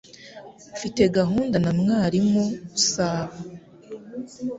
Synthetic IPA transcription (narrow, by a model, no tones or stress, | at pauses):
fite̞ɡaɦuːndanamŋaːɾimousaːβa